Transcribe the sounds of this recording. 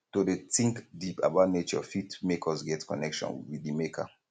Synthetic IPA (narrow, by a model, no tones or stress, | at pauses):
todetĩŋkdipa̰baʊtnet͡ʃɔ̰fitmekɔsɡɛtkɔnɛkʃɔ̰̃nwidimekʰa̰